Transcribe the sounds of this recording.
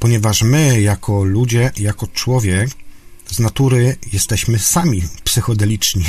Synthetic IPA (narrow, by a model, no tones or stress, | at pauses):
pɔɲɛvaʂmɘjakʰɔlud͡ʑɛjakɔt͡ʂwɔvʲjɛkznat̪uɾɘjɛst̪ɛɕmɘsamʲipsɘxɔd̪ɛlʲit͡ʂɲi